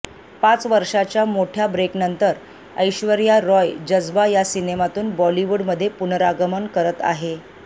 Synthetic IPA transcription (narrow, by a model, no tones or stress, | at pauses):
pat͡sʋəɾʂat͡ɕjamoʈʰjabɾeknənt̪əɾ | əjɕʋəɾjaɾɔjd͡ʑəd͡zbajasinemat̪uːnbɔliʋuɽməd̪ʱːjepunəɾaɡəmənkəɾət̪a̰ɦe